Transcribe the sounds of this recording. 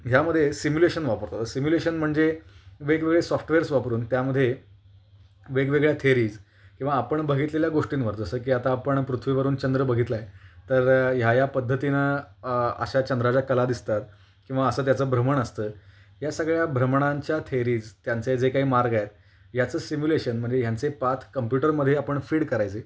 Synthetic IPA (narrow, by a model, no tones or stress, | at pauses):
ɦjaməd̪ʱjesimjuleɕənʋapəɾt̪at̪əɾsimjuleɕənm̤əɳd͡zeʋeɡʋeɡɭesɔfʈʋeɾsʋapɾuːnt̪jaməd̪ʱːje | ʋeɡʋeɡɭjat̪ʰeɾiːd͡z | kĩw̃ʋaːpəɳbəɡʱit̪leljaɡoʂʈiːnʋəɾd͡zəsəːk̬iːat̪aːpəɳpɾut̪ʰʋiːʋəɾuːnt͡ɕənd̪ɾəbəɡʱit̪laet̪əɾjajapəd̪ʱːət̪inə | ə̰ɕat͡ɕənd̪ɾad͡ʑakəlad̪ist̪at̪ | kĩʋaəsəːt̪jat͡səːbʱɾəməɳəst̪əː | jasəɡɭjabʱɾəmɳ̃aɲt͡ɕjat̪ʰeɾiːd͡zt̪jant͡sed͡zekaɦiːmaɾɡajet̪̚ | jat͡səːsimjuleɕənm̤əɳd͡zejant͡sepat̪ʰkəmpjuʈəɾməd̪ʱːjeapəɳfiːɽkəɾajt͡se